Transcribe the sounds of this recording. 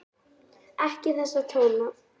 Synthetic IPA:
ɛhcɪθɛsːat̪ʰoːwna

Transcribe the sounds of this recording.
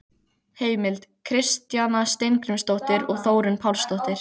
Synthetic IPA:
heːjmɪlt̪kʰɾɪst̪janast̪ejnkɾʏmst̪owht̪ɪɾɔɣθoːwɾʏnpʰawlst̪owht̪ɪɾ̥

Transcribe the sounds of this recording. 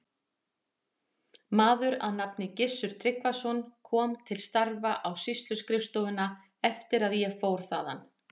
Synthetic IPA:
maːðʏɾa̰ðnapnɪcɪsːʏɾ̥t̪ʰɾɪkvasɔnkʰɔːmt̪ʰɪlst̪aɾvaʔawsist̪lʏskɾɪfst̪oʏna | ɛft̪ɪɾaðjɛfoːwɾ̥θaːða̰n

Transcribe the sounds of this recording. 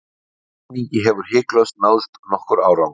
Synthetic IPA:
nicɪɦɛvʏɾ̥hɪːklœɥst̪naːwst̪nɔhkʏɾaːwɾaw

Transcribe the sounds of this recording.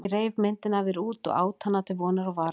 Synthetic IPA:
ɾeːjvmɪnt̪ɪnavɛɾuːt̪ɔ̰ɣa̰ːwt̪ʰanːat̪ʰɪlvɔːnaɾɔvaɾ

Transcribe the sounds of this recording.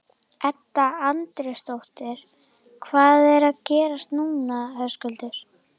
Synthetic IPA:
ɛt̪ːaant̪ɾɛst̪owht̪ɪɾ̥ | kʰvaːðɛɾaðcɛːɾast̪nuːnahœskʏlt̪ɪɾ̥

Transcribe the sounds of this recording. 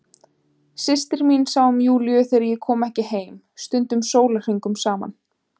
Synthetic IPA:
sɪst̪ɪɾminsawʏmjuːljʏθɛɾajɛkʰɔːmɛhcɪɦeːjm | st̪ʏnt̪ʏmsoːwlar̥iŋkʏmsaːma̰n

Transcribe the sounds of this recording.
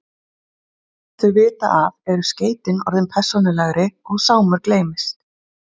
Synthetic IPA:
θœɥvɪːt̪a̰ʔavɛɾʏsceːjt̪ɪnɔ̰ɾðɪnpʰɛr̥sːɔnɪlɛɣɾɪɔɣsaːwmʏɾkleːjmɪst̪

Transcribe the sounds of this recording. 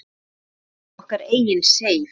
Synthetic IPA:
ɔhkaɾeːjɪnseːj

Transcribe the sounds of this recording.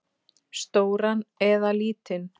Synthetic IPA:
st̪oːwɾanɛðaliːt̪ɪn

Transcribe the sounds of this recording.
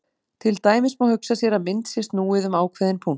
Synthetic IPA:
t̪ʰɪlt̪aːjmɪsmawhʏksasjɛɾamɪnt̪sjɛst̪nuːɪðʏmaːwkʰvɛːðɪnpʰun

